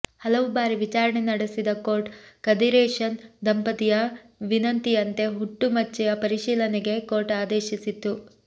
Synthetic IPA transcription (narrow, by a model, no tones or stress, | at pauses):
hɐlɐʋubaːɾiʋit͡ʃaːɾɐɳenɐɽesid̪ɐko̞ːɾʈkɐd̪iɾeːʂɐnd̪ɐmpɐt̪ijɐ | ʋinɐnt̪ijɐnt̪e̞ɦuʈːumɐt͡ʃːɛjɐpɐɾiʃiːlɐneɡe̞ko̞ːɾʈaːd̪eːʃisit̪ːu